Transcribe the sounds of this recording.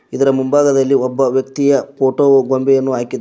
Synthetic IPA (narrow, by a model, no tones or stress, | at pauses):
id̪ɐɾɐmumbaːɡɐd̪ɐlːiɔbːɐʋjɐkt̪ijɐpʰoːʈoːɡombɛjɐnːuaːkid̪ː